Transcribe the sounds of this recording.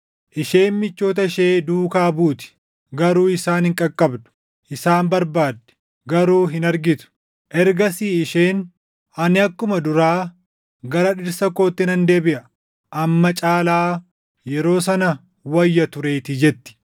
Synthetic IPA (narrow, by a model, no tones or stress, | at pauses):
ʔɪʃeːmmɪt͡ʃːo̞ːt̪̬ɐɪʃe̞ːd̪uːkaːbuːt̪ɪ̥ | ɡɐɾuːɪsaːnhɪŋkʼɐkʼːɐbd̪ʊ̥ | ʔɪsaːmbɐɾbaːd̪ːɛ̥ | ɡɐɾuːɦɪnɐɾɡɪt̪ʊ̥ | ʔɛɾɡɐsiːɪʃeːn | ɐnɪɐkːʊmɐd̪ʊɾaː | ɡɐɾɐᶑɪɾsɐko̞ːt̪ːɪnɐnd̪e̞ːbɪʔɐ | ʔɐmːɐt͡ʃʼaːlaː | jɛɾo̞ːs̬ɐnɐ | wɐjːɐt̪ʊɾe̞ːt̪ɪd͡ʒɛt̪ːɪ̥